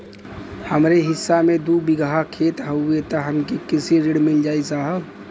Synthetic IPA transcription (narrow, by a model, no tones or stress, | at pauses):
həmɾeɦɪsːamẽd̪ubɪɡɦakʰet̪ɦəʊet̪əɦəmkikɪsiɾeɽmɪld͡ʒaːisaɦə